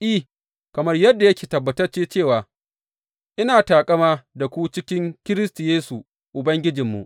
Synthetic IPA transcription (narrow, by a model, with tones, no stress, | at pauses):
ʔi˦˨ | kɐ˨mɐ˦rjɐ˦dːa˨jɐ˦kʲi̥ː˨tɐ˨bːɐ˨tɐ˦rt͡ʃeː˦t͡ʃeː˦˨waː˨ | ʔɪ˦naː˨taː˨kʼɐ˦maː˦da˨kʷu˦t͡ʃɪ˦kʲɪ˦ŋkʲɪ˦ɾɪ˦stu˨jeː˦su˨ | ʔʊ˨bɐ˦ŋɡʲɪ˦d͡ʒɪ˨mːṵ˨ʔ